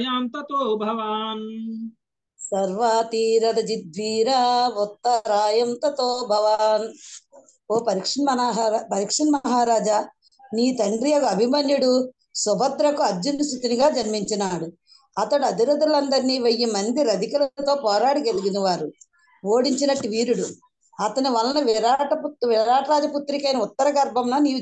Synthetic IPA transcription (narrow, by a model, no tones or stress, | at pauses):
ɐjaːnt̪ɐt̪oːbʱɐʋaːn | sɐɾʋat̪iːɾɐd̪ɐd͡ʒid̪̚ʋiːɾaʋɔt̪ːɐɾaːjɐnt̪ɐt̪oːbʱɐʋaːn | oːpɐɾikʂinmɐnaːɦaapɐɾikʂinmɐɦaːɾaːd͡ʒaː | niːt̪ɐɳɖɾijɐɡuɐbʱimaːnjuɽu | sɔbʱɐd̪ɾɐkuɐd͡ʒːunːust̪it̪iniɡaːd͡ʒɐɾmiɲt͡ʃɐnaːɽu | ɐt̪ɐɽuɐd̪iɾɐd̪ulɐnd̪ɐɾniːʋɐjːimɐnd̪iɾɐd̪ikɐlɐt̪o̞ːpɔːɾaːɽiɡɐliɡinɐʋaːɾu | oːɽiɲt͡ʃinɐʈːuʋiːɾuɽu | ɐt̪ɐnuʋɐlːɐnɐʋɾaːʈɐpʋiɾaːʈɐɾaːd͡ʒɐput̪ːɾikɐjnɐut̪ːɐɾɐɡɐɾbʱɐmnaniː